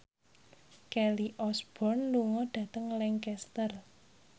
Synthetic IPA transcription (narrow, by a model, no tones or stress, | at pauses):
kɛliʔɔsb̥ɔ̤nluŋɔɖ̥ä̤t̪əŋlɛŋkɛst̪ər